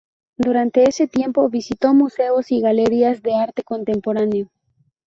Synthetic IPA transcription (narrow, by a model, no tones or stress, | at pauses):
d̪uɾant̪e̞ese̞t̪je̞mpo̞βisit̪o̞muse̞osiɣaleɾiazðe̞aɾt̪eko̞nt̪e̞mpo̞ɾaneo